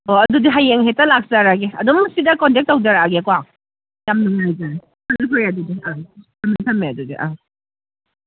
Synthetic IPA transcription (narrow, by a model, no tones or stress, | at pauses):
oɐdudiɦajːeŋɦetːɐlak̚zaɾaɡeɐdumːɐsidɐkɔntek̚tːawzaɾaɡekɔaŋ | jamnuŋajzaɾ | pʰɐnikʰojadudiɐtʰɐmnitʰɐmːeɐdudiʔa